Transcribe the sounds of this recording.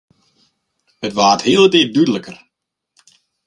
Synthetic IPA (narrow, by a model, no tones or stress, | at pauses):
hətʋaːthiəlˠətɪdydələkər